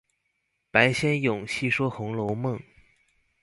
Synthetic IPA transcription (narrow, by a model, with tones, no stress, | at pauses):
pa˧˥ɪɕjɛ˥njʊ˨˩ŋɕi˥˧ʂwɔ˥xʊ˧˥ŋlo˧˥ʊmɤ˥˩ŋ